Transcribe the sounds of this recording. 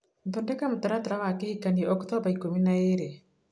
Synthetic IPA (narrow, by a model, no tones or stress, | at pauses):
mtondɛkamotaɾataɾawakehikaniɛɔktɔbaikominaeɾe